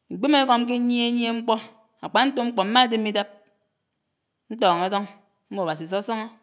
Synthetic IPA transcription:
ŋ̩˨ɡ͡be˦me˦ko˨m˦k̬e˦ɲi˦e˦ɲ˦e˦ŋ͡m̩˦k͡pɔ˦ | a̰˨k͡pa˨n̩˦to˦ŋ͡m̩˦k͡pɔ˨m̩˦ma˦de˦mi˦da˦p̚ | n̩˦tɔː˨ŋe˨˦dɔ˦ŋ | m̩˦mo˨a˨ba˨s̬i˨so˦sɔ˦ŋɔ˦

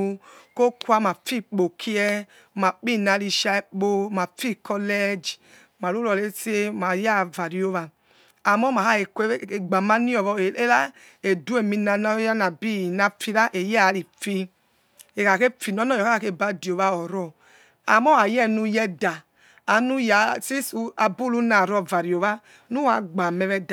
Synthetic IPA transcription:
u˧ko˦ku˦a˧˨ma˨fi˦k͡po˨kʰi˦ɛ˧˨ | ma˨k͡pi˦˨na˧ɾi˧ʃa˧˦k͡po˧˨ma˨fi˦˨kɔ˧lɛ˦d͡ʒi˨ | ma˨lu˦ɾɔ˨le˦ti˦e˦˨ma˨˦ja˦˨va˨ɾi˦o˧˦βa˧ | a˨mɔ˦ma˨a˦e˨ke˦˨ɡ͡ba˨ma˦ni˦ɔ˨βɔ˧e˨e˦la˦ | e˨du˦e˨mi˧na˧n˦a˦na˨bi˦˨na˧fi˧ɾa˦ʔe˨ja˦˨˦ɾi˨fi˧ | e˨ka˨ke˦fi˨n˦ɔ˨˦nɔ˦jɔ˨ka˦˨ke˧˨ba˧di˨o˨βa˧ɔ˨ɾɔ˧˨ | a˨mɔ˦a˨jɛ˦nu˧jɛ˧daː˨ | nu˦ja˨si˦su˧a˧bu˦lu˦na˨ɾɔ˧˨va˨ɾi˨o˨βa˦ | nu˦a˧˦ɡ͡ba˨mɛ˧βɛ˧d

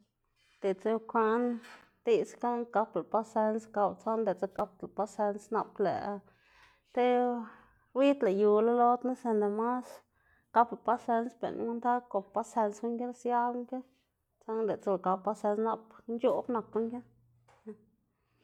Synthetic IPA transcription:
d̪̥e˨t͡se˦kʷa˧˦n | d̪i˧ska˦wka˧pla˨pa˧se˧nska˧wt͡so˦nd̪e˨t͡sa˦ka˧p̚t̪la˨pa˧se˧nsna˧plḛ˨˧ | t̪e˦ | wi˦t̪la˨ju˨la˦lo˦d̪ni˦se˧nd̪e˨ma˦s | ka˦pla˨pa˧se˧nsbḛ˨ɾnʔnd̪a˦ko˨pa˦se˧nsku˦ŋɡe˦lsja˦lŋke˦ | t͡sa˦nd̪e˨t͡sa˧lka˧pa˦se˧nsna˧pnt͡ʃu˦bna˨ku˦ŋɡe˦˧

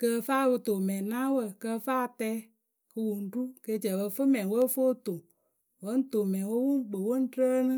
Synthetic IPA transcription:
kə˧faː˦˨bɨ˧to˨mɛ̃˨nã˦wə˦˨kə˧fa˦˨tɛ˧˦ | kɨ˧wu˨n̩˨˦du˦ke˧˦˨t͡ʃɛ˨wə˧fɨ˦mɛ̃˨˦wə˦fo˦to˨ | wə˦n̩˦to˨mɛ̃˨wo˦wu˦ŋ˦k͡pə˨wo˦n̩˦tə˦nɨ̃˦

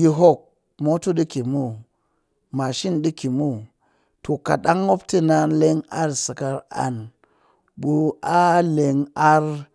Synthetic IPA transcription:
ji˧ɦo˦k̚ | mo˦tu˦ɗi˦ki˨mu˦˨ | ma˨ʃi˦nɗi˦ki˨mu˦˨ | to˨ka̰˨ɗa˦ŋːo˦pti˦na˧nle˦ŋa˦ɾsi˨ka˧ɾa̰˨n | ɓu˧a˦le˨ŋa˦ɾ

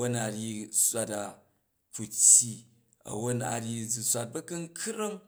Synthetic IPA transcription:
o˦na˨ɾʲi˦sʷa˦ta˨ | ku˨tʲːji˦ | ɐ̰˨wo˦na̰˨ɾʲji˦d͡zi˨sʷa˦t̚bɐ˦kɐ˦ŋ̩˦kʰɾɐ˦ŋ

